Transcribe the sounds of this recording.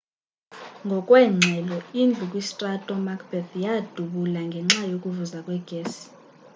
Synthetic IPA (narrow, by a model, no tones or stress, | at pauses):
ŋɡʱɔkʼwɛŋ͡ǀʱɛlɔind͡ɮʱukʼwisi̥tʼatʼɔmakʰʼb̥ʱɛθʰjad̥ʱuɓulaŋɡʱɛŋ͡ǁajokʼuvuzakʼwɛɡ̥ʱeːsi̥